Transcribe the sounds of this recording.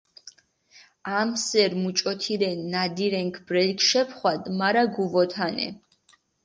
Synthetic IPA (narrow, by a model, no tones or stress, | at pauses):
amsɛɾmut͡ʃʼɔt̪ʰiɾɛnːad̪iɾɛŋkʰbɾɛlkʰʃɛpʰχwad̪maɾaɡuvɔt̪ʰanɛ̰